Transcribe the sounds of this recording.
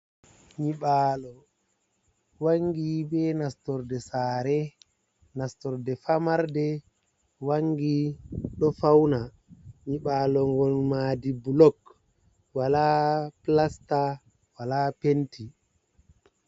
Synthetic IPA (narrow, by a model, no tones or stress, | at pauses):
ɲiɓaːlɔ | waŋɡibɛnastɔɾdɛsaːɾɛ | nastɔɾdɛfamaɾdɛ | waŋɡiɗɔfawna | ɲiɓaːlɔŋɡɔnmaːdibulɔk | walaplasta | walapentʰi